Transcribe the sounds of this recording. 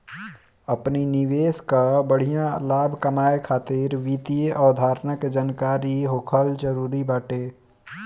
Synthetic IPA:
əpninɪʋeːskabəɽ̤ijãlaːbʱkəmaːekʰaːt̪ɪɾʋiːt̪ieʔɔːd̪ʱaːɾnəked͡ʒaːnkaːɾiɦoːkʰəld͡ʒəɾuːɾibaːʈeː

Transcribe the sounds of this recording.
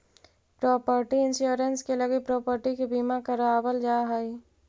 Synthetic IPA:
pɾɔːpəɾʈiɪ̃nʃuːɾənskeləɡepɾɔːpəɾʈikebiːmakəɾaaːbəld͡ʒaːɦai

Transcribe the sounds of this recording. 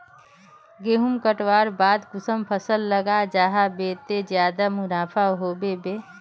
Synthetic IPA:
ɡeːɦumkəʈwaːɾbaːd̪ɡʊsəmpʰəsəlːəɡad͡ʒaːɦabeːt̪ed͡ʒjaːd̪amʊnaːpʰaɦoːbebeː

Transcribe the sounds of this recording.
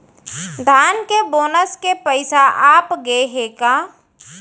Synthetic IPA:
d̪ʱaːnkeboːnəskepəɪsaʔaːpɡeeɦeːkaː

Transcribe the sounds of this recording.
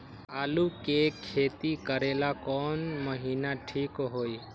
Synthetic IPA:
aːlukekʰːeːt̪ikəɾelakɔːnməɦiːnaʈʰiːkɦoːi

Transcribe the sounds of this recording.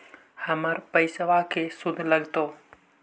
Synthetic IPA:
həməɾpəɪsʋakʰesʊd̪ʱləɡt̪o

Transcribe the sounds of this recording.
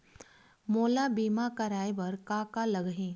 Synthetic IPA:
moːlabiːmakɐɾaːebɐɾkaːkalɐɡɦẽː

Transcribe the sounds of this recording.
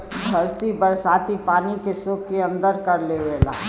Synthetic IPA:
bʱɐɾt̪ibəɾsaːt̪ipaːnikesoːkːeɐ̃nd̪əɾkɐɾleʋeːla̰ː

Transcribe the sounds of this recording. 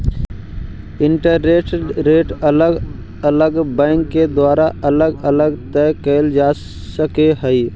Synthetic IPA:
ɪɳʈəɾːeːʈɾeːʈələɡ | ələɡbɛ̃ːŋkːed̪waːɾaʔɐləɡələɡt̪ɛkəld͡ʒaː | səkeɦəi

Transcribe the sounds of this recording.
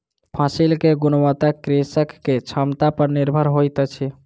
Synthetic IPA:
pʰasilkeɡunmət̪akɾesəkːet͡ʃʰəmt̪apəɾniɾbʱəɾɦojt̪t͡ʃʰi

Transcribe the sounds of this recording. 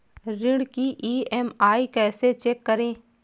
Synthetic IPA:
ɾɪɽkiʔiːɛmaːikɛːset͡ʃeːkːɐɾẽː

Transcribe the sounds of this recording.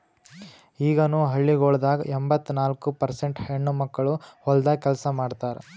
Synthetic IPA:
iːɡɐnuːɦɐɭːiɡoɭd̪aːɡɐ̰ʔembɐt̪ːunaːlkupɐɾseɳʈheɳːumɐkːɐɭuɔld̪ɐkɛlsɐmaːɖt̪aːɾḛ

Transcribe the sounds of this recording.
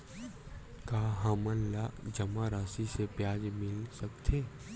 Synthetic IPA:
kaːɦaːmənlaːʔd͡ʒɐmaɾaːsisepjaːd͡ʒmɪlsəkt̪ʰeː

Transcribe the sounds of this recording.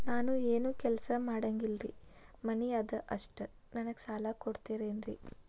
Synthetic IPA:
naːnueːnuːkɛlɐsɐmaːɽɐŋɡilɾḭmɐniɐd̪ɐʔɐʂʈɨ | nɐnɐɡsaːlakoɽt̪iːɾeːnɾḭ

